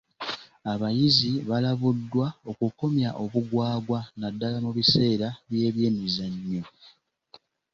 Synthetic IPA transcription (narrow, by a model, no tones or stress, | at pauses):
aβajiziβalaβudːwao̞kuko̞mjaʔo̞βuɡwaːɡwanadːalamuβise̞ːɾaβje̞ːβje̞ːnizaɲːo̞